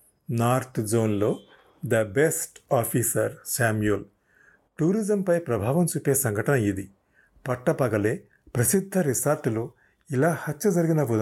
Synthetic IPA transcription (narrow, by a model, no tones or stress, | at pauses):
naːɾt̪ʰd͡ʒo̞ːnlo̞ː | d̪ɐbesʈaːpʰisɐɾsaːmjul | ʈuːɾid͡ʒɐmpɐjpɾɐbʱaːʋɐmt͡ʃupːe̞ːsɐŋɡʱɐʈɐnɐid̪i | pɐʈːɐpɐɡɐleː | pɾɐsid̪ʱːɐɾisaːɾʈ̪ulu | ilaːhɐtːɐd͡ʒɐɾiɡinɐbud̪